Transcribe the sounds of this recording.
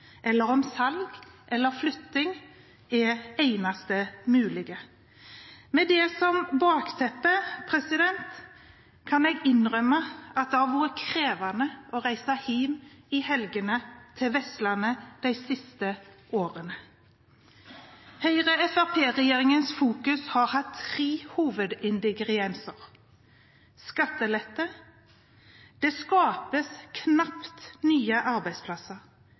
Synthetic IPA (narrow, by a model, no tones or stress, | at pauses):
ʔɛlːəʁɔmsɑlɡʔɛlːəʁflʉt̪ːɪŋ | ɛæɪnɑst̪əmʉːlɪɡə | mɛd̪ɛːsɔmbɑːkt̪ʰɛpːəpʰʁɛsɪd̪ɛnt̪ | kʰɑnɛːɡɪnʁœməɑt̪̚d̪ɑʋuːʁəkʰʁeːʋɑnəɔʁæɪsɑhiːmɪhɛlɡənət̪ʰɪlʋɛslɑnəd̪̥æɪsɪst̪əʔoːʁənə | hœʏʁəɛfɑpʰeːʁɛjeːʁɪŋənsfuːkʉshɑʁhɑt̪ʰːʁeːhuːʋəd̪ɪnd̪ɪɡʁɪɛnsəʁ | skɑt̪ːəlɛt̪ːə | d̪̥eːskɑːpəskʰnɑpt̪nyːəʔɑʁbæɪspʰlɑsəʁ